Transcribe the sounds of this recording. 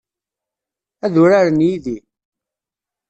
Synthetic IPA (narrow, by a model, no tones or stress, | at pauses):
æðʊɾaɾənjiði